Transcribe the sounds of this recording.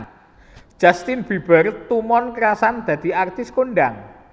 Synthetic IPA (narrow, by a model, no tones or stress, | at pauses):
d̥ʒ̥ast̪ɪnb̥ib̥ərt̪umɔnkəɾasand̪̥ä̤d̪̥i̤ʔart̪ɪskonɖaŋ